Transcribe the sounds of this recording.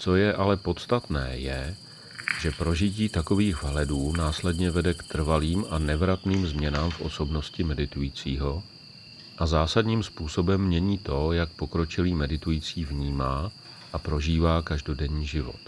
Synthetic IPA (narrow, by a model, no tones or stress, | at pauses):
t͡so̞jɛʔalɛpo̞t̪st̪at̪nɛ̰ːjɛ | ʒɛpɾo̞ʒɪciːt̪ako̞viːɣvɦlɛduːnaːslɛdɲɛvɛdɛkt̪r̩valiːmʔanɛvɾat̪niːmzmɲɛnaːmfʔo̞̰so̞bno̞scɪmɛdɪt̪ujiːt͡siːɦo̞ | ʔazaːsadɲiːmspuːso̞bɛmːɲɛɲiːt̪o̞jak̚po̞kɾo̞t͡ʃɪliːmɛdɪt̪ujit͡siːvɲiːmaː | ʔapɾo̞ʒiːvaːkaʒdo̞dɛɲiːʒɪvo̞̰t̪